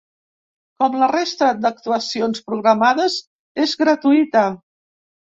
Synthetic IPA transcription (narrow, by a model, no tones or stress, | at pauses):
kɔmlərest̪əd̪ək̚t̪uəsionspɾuɣɾəmaðəz | ezɣɾət̪uit̪ə